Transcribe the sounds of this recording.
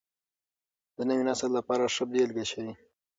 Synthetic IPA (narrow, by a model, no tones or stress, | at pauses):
d̪̥ənəwinasallapɑɾaʂəb̚d̪elɡaɕawi